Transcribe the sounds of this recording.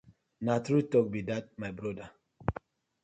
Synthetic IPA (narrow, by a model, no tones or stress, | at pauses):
natɾutɔk̚bidat̚majbɾɔda